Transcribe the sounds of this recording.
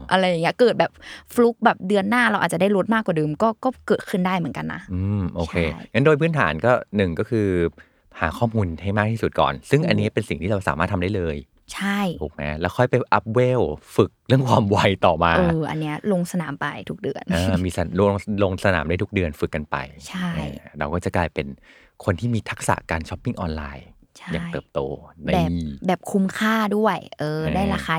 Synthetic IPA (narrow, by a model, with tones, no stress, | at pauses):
ʔa˧ɾa˧jːŋːi˦˥ɐkɤː˨˩t̪̚bɛː˨˩p̚flu˦˥k̚bɛː˨˩p̚dɯ˧ənːaː˥˩ɾa˧wʔaː˨˩t͡ɕa˩daː˥˩jɾo˦˥t̪̚maː˥˩kwaː˨˩dɯː˧mkɔː˥˩kɔː˥˩kɤː˨˩t̪̚kʰɯ˥˩ndaː˥˩jmɯ˩˦nka˧nːa̰˦˥ʔɯː˧mmʔoː˧kʰeː˧˩ŋa˦˥ndoː˧jpʰɯː˦˥nt̪ʰaː˩˦nkɔː˥˩nɯ˨˩ŋkɔː˥˩kʰɯː˧ | haː˩˦kʰɔː˥˩muː˧nha˥˩jmaː˥˩k̚t̪ʰiː˥˩su˨˩t̪̚kɔ̰ː˨˩nsɯ˥˩ŋʔa˧nːi˦˥ɐpe˧nsi˨˩ŋt̪ʰiː˥˩ɾa˧wsa̰ː˨˦maː˥˩t̪ʰa˧mda˥˩lɤː˧j | t͡ɕʰa˥˩jo˨˩k̚mɛ̰˦˥lɛː˦˥wkʰɔ˥˩jpa˧ʔa˦˥p̚weː˥˩wfɯ˨˩k̚lɯ˥˩əŋkʰwaː˧mwa˧jt̪ɔː˨˩maː˧ʔɤ˧ʔa̰˧nːi˦˥ɐlo˧ŋsa˧naː˩˦mpa˧jt̪ʰu˦˥k̚dɯ˧ənʔɤː˧miː˧sa˧lo˧ŋlo˧ŋsa˧na̰ː˩˦mdaː˥˩j̪ʰu˦˥dɯ˧ənfɯ˨˩kːa˧npa̰˧jt͡ɕʰa˥˩ʔɛ̰ː˧˩ɾa˧wkɔː˥˩t͡ɕa˨˩klaː˧jpe˧n | kʰo˧nt̪ʰiː˥˩miː˧t̪ʰa˦˥k̚sa̰˨˩kaː˧nt͡ɕʰɔ˦˥pːi˥˩ŋʔɔː˧nlaː˧j | t͡ɕʰa˥jaː˨˩ŋtj̪ɤː˨˩p̚t̪oː˧m˧bɛː˨˩˧bɛː˨˩p̚kʰu˧mkʰaː˥˩du˥˩ɐəjʔʔɤː˧daː˥˩jɾaː˧xaː˧